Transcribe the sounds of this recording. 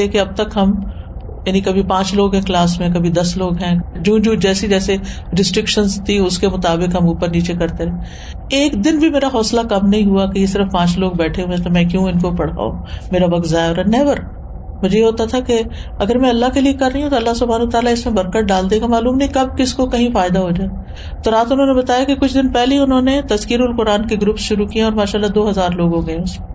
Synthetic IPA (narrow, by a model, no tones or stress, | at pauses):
ekeɐb̚t̪ɐkɦɐm | jaːnikɐbʱipãːt͡ʃloːɡɦɛ̃klaːsmẽkɐbʱid̪ɐsloːɡɦɛ̃d͡ʒũːd͡ʒũːd͡ʒɛːsid͡ʒɛːse | ɾɪsʈɾɪkʃənzt̪ʰiʊskemʊt̪aːbɪkɦɐmuːpəɾniːt͡ʃekɐɾt̪eɾɛɦɛ̃ː | eːkd̪ɪnbʱimeːɾaxɔːslakɐmnɐɦĩɦuakejesɪɾəfpãːt͡ʃloːɡ̚bɛːʈʰeɦũẽt̪omɛ̃ːkjũːɪnkopɐɽ̤a̰ːo̰meːɾaʋɐk̚t̪zaːjɔːɾɐnːɛːbəɾ | mʊd͡ʒʱejeɦoːt̪at̪ʰakeɐɡəɾmɛ̃ɐlːaɦkeliekɐɾːɐɦiɦũt̪oɐlːasʊbʱaːnːt̪aːlaɪsmẽbɐɾkəʈ̚ɖaːld̪eːɡamaːluːmnɐɦĩkɐb̚kɪskokɐɦĩfaːɪd̪aɦod͡ʒaːe | t̪oɾaːt̪ʊnɦõːnebɐt̪aːjakekʊt͡ʃʰd̪ɪnpɛɦliʊnɦõːnet̪ɐzkiːɾʊlqʊɾaːnkeɡɾʊpsʃʊɾukiẽɔːɾmaːʃaːlːad̪oːɦɐzaːɾloːɡɦõːɡɐẽʊse